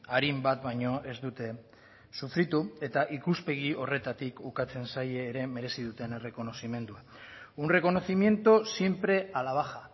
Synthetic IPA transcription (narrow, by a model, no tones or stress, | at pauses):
aɾimbat̪bajɲo̞ʔe̞zd̪ut̪e̞ | sufɾit̪ue̞t̪aʔikuspe̞ɣ̞io̞re̞t̪at̪ikukat͡se̞nsajeːɾe̞me̞ɾe̞siðut̪e̞nere̞ko̞no̞sime̞nd̪ua | unre̞ko̞no̞θimje̞nt̪osje̞mpɾe̞alaβ̞axa